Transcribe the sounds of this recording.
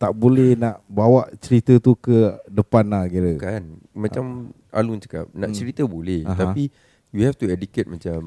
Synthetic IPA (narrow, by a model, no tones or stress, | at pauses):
t̪aʔbolɛhnaʔbawaʔt͡ʃəɾit̪ət̪ukədəpanahɡiɾəkan | mãt͡ʃam | a̰lunt͡ʃə̥ka̰p̚nã̰ʔt͡ʃəɾit̪əbolɛhɦt̪api | juhɛft̪uɛdiket̪̚mãt͡ʃam